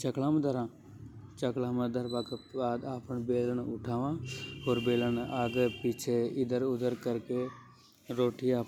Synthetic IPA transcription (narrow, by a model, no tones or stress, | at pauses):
t͡ʃəklãːmd̪əɾãː | t͡ʃəklãːməd̪əɾbãkebaːd̪aːpəɳbeːləɳʊʈʰaːʋãːɦoːɾbeːlənaːɡpiːt͡ʃʰeɪd̪əɾʊd̪əɾkəɾke | ɾoːʈiaːp